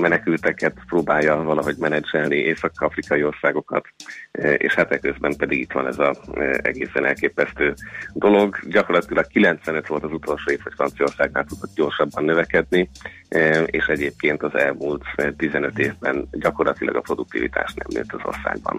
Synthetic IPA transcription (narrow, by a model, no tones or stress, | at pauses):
mɛnɛkylt̪ɛkɛt̪proːbaːjːɒvɒlɒɦo̞ɟmɛnɛd͡ʒɛlniʔeːsɒkɒfrikɒio̞rsaːɡo̞kɒ̰t̪ | ḛːʃhat̪ɛkːøzbɛmpɛd̪iɡit̪ʋɒ̰nɛzɒɛ̰ɡeːsɛnɛlkeːpɛst̪øːd̪o̞lo̞ɡɟɒkorlɒt̪ilɒkkilɛnt̪sʋɛnøt̪ʋo̞lt̪ɒzut̪o̞lʃoːeːfhɒcfrɒnt̪sio̞rsaːɡna̰ːlt̪ud̪ot̪̚ɟo̞rʃɒbːɒnːøvɛkɛd̪ni | ḛːʃɛɟeːp̚keːnt̪ɒzɛlmuːlt̪t̪ːizɛnøt̪eːvbɛnɟɒko̞rlɒt̪ilɒ̰ɡɒpro̞d̪uk̚t̪ḭvḭt̪a̰ːʃnɛ̰mːø̰ːt̪ːɒzo̰rsa̰ːɡ̚bɒ̰n